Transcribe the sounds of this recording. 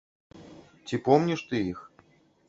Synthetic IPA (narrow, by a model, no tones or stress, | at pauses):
t͡sʲipɔmnʲiʂt̪ɨix